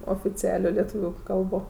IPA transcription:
oːfʲɪt͡sʲɪˈɑːlʲoː lʲɛˈtuːʋʲʊ ˈkɐlˠboː

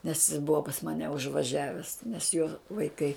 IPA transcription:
nʲɛs jɪs ˈbʊʋɐ pɐs ˈmɑːnʲɛ ʊʒʋɐˈʒʲæːʋʲɛs nʲɛs joː ʋɐɪˈkɐɪ

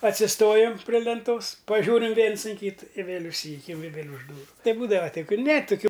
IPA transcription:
ɐtʲsʲɪˈstoːjɛm pʲrʲɪ lʲɛnˈtoːs pɐˈʒʲuːrʲɪm ˈʋʲiɛns ɪn ˈkʲiːtɨ ɪ ˈʋʲeːlʲ ʊʃʲˈsʲiːjʊkʲɛm ɪ ʋʲeːlʲ ʊʃ ˈduːrʊ ˈtɐɪ ˈbuːdɐʋɐ ˈtɐɪ ˈkʊlʲ nʲɛ tʊˈkʲuː

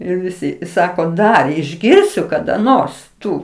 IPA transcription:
ɪr ˈʋʲɪsʲɪ ˈsɑːkoː ˈdɐr ɪʒʲˈɡʲɪrʲsʲʊ kɐdɐ ˈnoːrs ˈtʊ

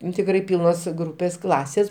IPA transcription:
ˈnʊ tʲɪkˈrɐɪ ˈpʲiːlˠnoːs ˈɡruːpʲeːs ˈklˠɑːsʲeːs

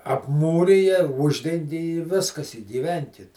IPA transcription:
ɐpˈmuːrʲɪjɛ ˈʊʒʲdʲɛŋʲɡʲɪ ɪ ˈʋʲɪskɐs ɪ ɡʲiːˈʋʲɛŋʲkʲɪt

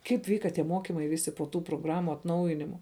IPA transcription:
ˈkɐɪp ˈʋʲiːkɐ tʲiɛ ˈmoːkʲɪmɐɪ ˈʋʲɪsʲɪ poː ˈtuː proːˈɡrɑːmʊ ɐtˈnɐʊjɪnʲɪmʊ

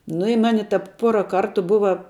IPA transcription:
nʊ ɪ ˈmɑːnʲɪ ˈtɐp ˈpuɔrɐ ˈkɐrtʊ ˈbʊʋɐ

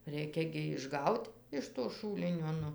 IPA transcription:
ˈrʲɛɪkʲɛ ɡʲɪ ɪʒˈɡɐʊtʲ ɪʃ toː ˈʃuːlʲɪnʲoː ˈnʊ

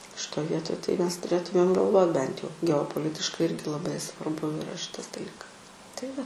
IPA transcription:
ʃʲɪˈtoːj ˈʋʲiɛtoːj tɐɪ ˈmʲɛs tʊˈrʲeːtʊmʲeːm ɡɐlˠˈʋoːt bʲɛnt jɛʊ ɡʲɛoːpoːˈlʲɪtʲɪʃkɐɪ ˈɪrʲɡʲɪ lˠɐˈbɐɪ sʋɐrˈbʊ ɪˈrɐ ˈʃʲɪtɐs dɐˈlʲiːkɐs tɐɪ ˈʋɐ

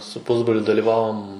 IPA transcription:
sʊ ˈpʊzbroːlʲʊ dɐlʲiːˈʋɑːʋoːm

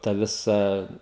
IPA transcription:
ˈtɐ ˈʋʲɪsɐ

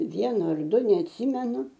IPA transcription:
ˈʋʲiɛnʊ ɐr ˈdʊ nʲɛɐtʲˈsʲiːmʲɛnʊ

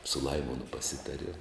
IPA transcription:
sʊ ˈlˠɐɪmoːnʊ pɐˈsʲɪtɐrʲiɛm

